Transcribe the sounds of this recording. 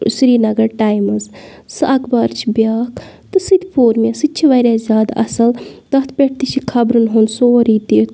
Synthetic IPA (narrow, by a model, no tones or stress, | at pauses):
sɾiːnɐɡɐɾʈaːjmɨz | sɨʔɐkbaɾt͡ʃʰibjaːk | t̪ɨsɨd̪ʲpʰoːɾmasɨt͡ʃʰiʋɐɾʲaːzʲjaːd̪ɐ̰sɐld̪ɐt̪ʰpʲeʈ̚ʰt̪it͡ʃʰikʰɐbɾunɦonsoːɾiːt̪iːt̪